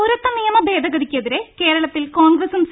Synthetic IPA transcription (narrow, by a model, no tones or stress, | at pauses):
ɾɐt̪ːɐnijɐmɐbe̞ːd̪ʱɐɣɐɽikʲːjɐðiɾe̞ke̞ːɾɐɭɐt̪ːilkoːɳɡrɐsums